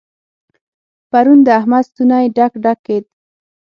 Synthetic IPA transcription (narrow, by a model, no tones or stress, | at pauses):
paɾund̪əahmad̪st̪unajeɖakɖakːed̪̚